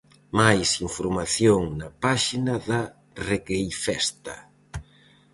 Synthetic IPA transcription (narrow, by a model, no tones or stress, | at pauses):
majsiɱfoɾmaθjoŋnɐpaʃinɐða | reɣejfɛst̪ɐ̰